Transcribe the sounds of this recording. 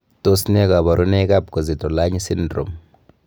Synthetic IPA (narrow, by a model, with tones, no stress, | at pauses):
to˦sinɛ˦ka˨βa˨ɾʔu˦nɛ˦ka˦p̚kɔ˨zi˨tɔ˨la˦ɲi˦si˦ndro̰˨m